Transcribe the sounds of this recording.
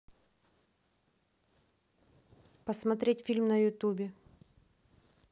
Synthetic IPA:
pəsmɐt̪ɾʲetʲfʲilʲmnəjʊt̪ubʲɪ

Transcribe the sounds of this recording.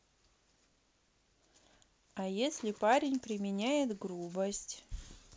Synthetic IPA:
ajesʲlʲɪpaɾʲɪnʲpɾʲɪmʲɪnʲæjɪt̪ɡɾubəsʲtʲ

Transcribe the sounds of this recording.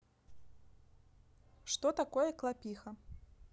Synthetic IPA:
ʂt̪ɔt̪akɔjɛklˠapʲixɐ

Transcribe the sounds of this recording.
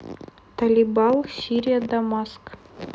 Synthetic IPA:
t̪alʲibɑlˠsʲiɾʲijad̪amɑsk

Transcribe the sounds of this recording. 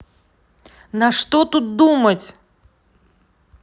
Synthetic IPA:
nɐʂt̪ot̪ut̪̚d̪umətʲ

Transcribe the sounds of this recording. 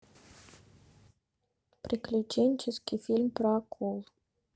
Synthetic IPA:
pɾʲiklʲit͡ʃenʲt͡ʃeskʲifilʲmpɾakʰolˠ

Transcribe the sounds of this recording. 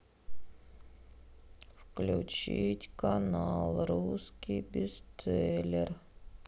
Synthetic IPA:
fklʲʊt͡ɕitʲkanalˠɾuskʲijbʲɪst̪sɛlʲɪr

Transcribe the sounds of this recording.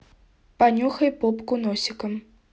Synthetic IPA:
panʲuxɐjpɔpkunɔsʲikɐm

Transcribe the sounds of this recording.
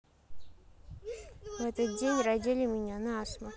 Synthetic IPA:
vɛt̪ət̪̚dʲenʲrɐdʲilʲɪmʲɪnʲanɐasmə

